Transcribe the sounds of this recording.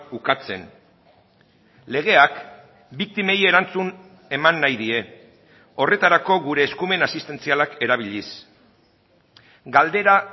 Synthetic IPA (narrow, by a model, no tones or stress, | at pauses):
ukat͡se̞̰n | le̞ɣ̞e̞ak | bik̚t̪ime̞je̞ɾant͡sun | e̞manːajðie̞ | o̞re̞t̪aɾako̞ɣuɾe̞ːskume̞nasist̪e̞nt͡sialake̞ɾaβ̞iʎis | ɡald̪e̞ɾa